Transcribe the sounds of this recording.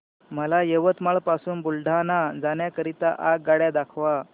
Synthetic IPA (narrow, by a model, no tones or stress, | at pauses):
məlajəʋət̪maɭpasuːnbulɖʱanad͡zaɳjakəɾit̪aʔak̚ɡaɽjad̪akʰʋa